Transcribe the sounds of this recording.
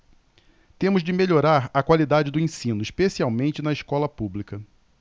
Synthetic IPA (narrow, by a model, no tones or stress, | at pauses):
t̪ẽmʊzd͡ʒɪmeʎoɾaɾɐkwalid̪ad͡ʒɪd̪ʊẽsĩnʊiʃpesiawmẽnt͡ʃɪnɐiskɔlɐpublikɐ